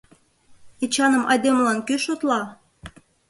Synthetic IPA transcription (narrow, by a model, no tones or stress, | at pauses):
et͡ɕɑnə̆mɑd̪ʲemlɑnkyʃot̪lɑ